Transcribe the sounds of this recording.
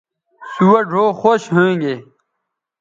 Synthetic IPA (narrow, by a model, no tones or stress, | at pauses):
suwɐɖʱoːxoːɕɦoẽŋɡe